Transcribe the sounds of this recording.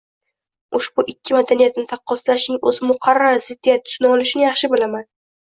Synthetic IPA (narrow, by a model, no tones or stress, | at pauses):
ʊʃbʊʔɪkʲʰːɪmad̪anijat̪nɪt̪ʰɑqʰːɒst̪laʃnɪŋɵzɪmʊqʰɑɾːaɾzɪd̪ːijat̪ʰːʊ̥snɒlɪʃɪnɪjɑχʃɪbɪlaman